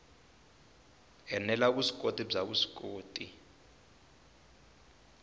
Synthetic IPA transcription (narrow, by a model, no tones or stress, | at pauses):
ɛnɛlaɓusi̥kʼotʼib͡ʐaɓusi̥kʼoːtʼi